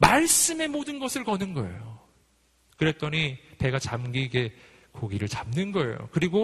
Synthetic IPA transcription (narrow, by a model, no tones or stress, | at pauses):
maɭs͈ɯme̞modɯnɡʌsʰɯɭkʌnɯnɡʌḛjo | kɯɾe̞t͈ʌɲipe̞ɡat͡ɕamɡiːɡe̞ | koɡiɾɯɭt͡ɕamnɯnɡʌe̞̰jo̰kɯɾiɡo